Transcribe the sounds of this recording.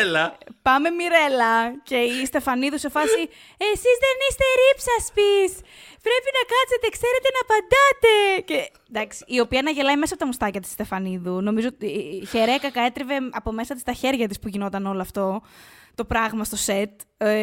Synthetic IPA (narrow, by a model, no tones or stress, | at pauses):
lɐpɐme̞miɾe̞lɐce̞ist̪efɐniðuse̞fɐsi | esizðe̞nist̪e̞ɾipsɐspispɾe̞pinɐkɐset̪e̞kse̞ɾe̞t̪e̞nɐpɐnd̪ɐt̪e̞ce | d̪ɐksi̥ːo̞piɐnɐʝe̞lɐjmesɐpot̪ɐmust̪ɐcɐt̪i̥sst̪e̞fɐniðuno̞mizo̞ot̪içeɾeɐkɐkɐe̞t̪ɾeve̞ɐpo̞me̞sɐt̪ist̪ɐçeɾʝɐt̪ispuʝino̞t̪ɐno̞lɐːft̪o̞t̪o̞pɾɐɣmɐst̪o̞se̞t̪̚